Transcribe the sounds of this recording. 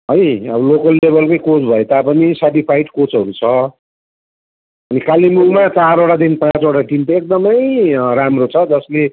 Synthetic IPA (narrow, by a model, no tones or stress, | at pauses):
ʌjʌbʌlokʌlːebʱʌlkʌĩkot͡sbʱʌet̪apʌnisaʈipʰajʈkot͡sʌɾut͡sʰʌ | ʌnikalimulmat͡saɾoʈad̪inpãt͡soʈaʈint̪ʌek̚d̪ʌmʌjramrot͡sʰʌd͡zʌsle